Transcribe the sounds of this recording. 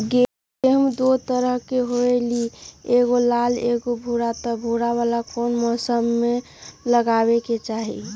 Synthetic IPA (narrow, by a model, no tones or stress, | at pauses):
e | eɦmd̪ot̪əɾəɦkeɦoelieɡolaleɡobʱuɾat̪ɔbʱuɾaβalakonmɔːsəmːe | ləɡabeket͡ʃaɦḭ